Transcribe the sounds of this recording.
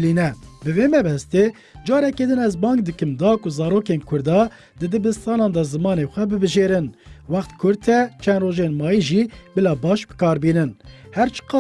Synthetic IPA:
linɛbɨvemɛbɛst̪eː | d͡ʒɑːɾɛked̪ɨnɛzbɑːŋɡ̚d̪ɨkɨmd̪ɑːkʊzɑːɾoːkenkʰʊɾd̪ɑː | d̪ɨd̪ɨbɨst̪ɑːnɑːnd̪ɑzɨmɑːnexʷɛbɨbɨʒeːɾɨnwɑxt̪kʰʊɾt̪ʰɛt͡ʃʰɛnd̪roːʒenmɑːjiʒibɨlɑːbɑːʃbɨ̥kɑːɾbiːnɨnhɛɾt͡ʃʰɨ̥qɑ

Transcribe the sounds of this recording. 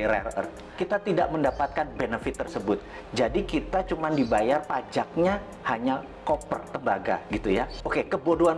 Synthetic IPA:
ɾarə̰rt̪̚ | kit̪at̪ida̰ʔməndapat̪̚kanbenəfɪt̪ːərsəbʊt̪̚ | d͡ʒadikit̪at͡ʃumandibajarpad͡ʒak̚ɲa | haɲa | kopə̰rt̪əmbaɡa̰ɡit̪ujaokekəbodoan

